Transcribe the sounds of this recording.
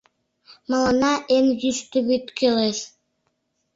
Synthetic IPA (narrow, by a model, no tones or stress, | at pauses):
mɑlɑnɑʔenjyʃt̪yβit̪køleʃ